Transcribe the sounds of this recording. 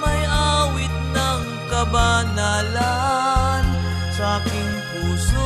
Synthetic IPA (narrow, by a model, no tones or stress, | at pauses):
mɐjʔaːwɪt̪̚nɐŋ | kɐbanaːla | n | sɐakɪŋpuːso